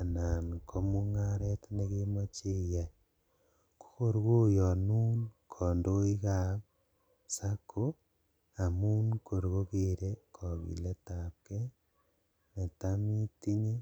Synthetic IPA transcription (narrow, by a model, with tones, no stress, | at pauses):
a˨na˨nkʰo˦mu˦ŋaɾe˦tne˦ɣe˦mo˦t͡ʃe˦ja˨ | ko̥˦ko˦ɾuɣo˦jo˨nu˦nkʰo˨ndo˦i˦ɣa˨ | sa˦kʰo˦ | a˨mu˦nkʰo˨ɾɣo˦ɣeɾe˦kʰo˨βḭ˨le˦ta˨pke˦ | ne˨ta˦mi˦ti˦ɲe˦